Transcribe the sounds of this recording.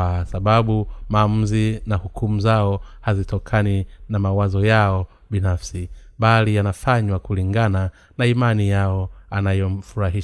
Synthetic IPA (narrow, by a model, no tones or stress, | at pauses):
asaɓaɓumaːm̩zinahukʰumuzaɔhazitʰɔkʰaninamawazɔjaɔ | ɓinafsiɓalijanafaɲwakuliŋɡana | naimanijaɔanajɔm̩fuɾaɦi